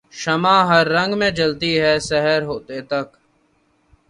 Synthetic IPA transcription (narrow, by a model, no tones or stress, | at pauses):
ʃəmãːɦəɾːə̃ŋɡmẽːd͡ʒəlt̪iːɦɛːsɛɦəɾɦoːt̪eːt̪ək